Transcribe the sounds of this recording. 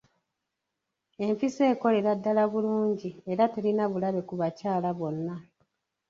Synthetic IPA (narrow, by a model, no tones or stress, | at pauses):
e̞ɱfise̞ːko̞le̞ɾadːalaβuluːɲɟieɾate̞linaβulaβe̞kuβacaːlaβo̞nːa